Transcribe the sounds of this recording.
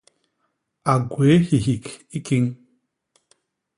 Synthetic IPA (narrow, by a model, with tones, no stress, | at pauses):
a˨ɡwe˨˦hi˨ɦi˨ki˦ki˦ŋ